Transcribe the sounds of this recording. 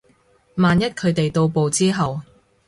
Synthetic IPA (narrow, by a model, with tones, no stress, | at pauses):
maː˨njɐ˥t̚kʰɵ˨˧ɥt̪e˨jt̪o˧wpo˨˧wt͡siː˥ɦɐ˨w